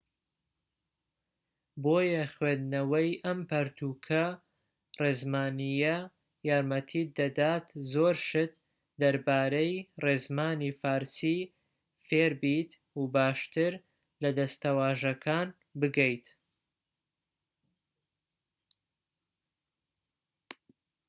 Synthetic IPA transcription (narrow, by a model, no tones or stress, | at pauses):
boːjɐχwend̪nɐwɐjʔɐmpɐɾt̪ʰuːkʰɐ | reːzmaːnijɐ | jaːɾmɐt̪ʰiːd̪ɐd̪aːt̪zoɾʃɨt̪ | d̪ɐɾbaːɾɐjreːzmaːnifaːɾsi | feɾbit̪ | ubaːʃt̪ɨɾ | lɐd̪ɐst̪ɐwaːʒɐkʰaːn | bɨɡɛjt̪